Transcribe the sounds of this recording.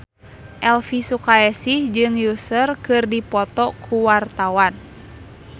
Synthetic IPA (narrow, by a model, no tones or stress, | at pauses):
ʔɛlfisukaɛsihd͡ʒɨŋjusərkɨrdipɔt̪ɔkʰuwart̪awan